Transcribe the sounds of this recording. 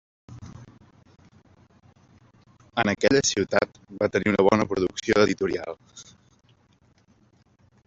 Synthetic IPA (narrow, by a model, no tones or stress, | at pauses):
ənəkɛʎəsiwt̪at̪βat̪əniunəβ̞ɔnəpɾuðuksioðəðit̪uɾia̰lˠ